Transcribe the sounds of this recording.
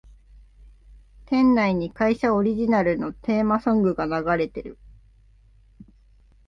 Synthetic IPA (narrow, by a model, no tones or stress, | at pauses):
t̪ẽ̞nːaiɲ̟ikaiɕao̞ɾʲiʑinaɾɯ̟no̞t̪e̞ːmasõ̞ŋɡɯ̟ɡanaɡaɾe̞t̪e̞ɾɯ̟